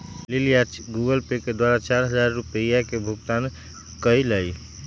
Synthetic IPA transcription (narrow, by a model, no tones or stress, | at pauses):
lilijaɡuɡəlpeked̪waɾat͡ʃaɾɦəd͡ʒaɾːupəjakebʱuɡt̪an | kəjləj